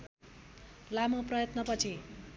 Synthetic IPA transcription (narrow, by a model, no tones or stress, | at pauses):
lamoprʌjʌt̪nʌpʌt͡sʰi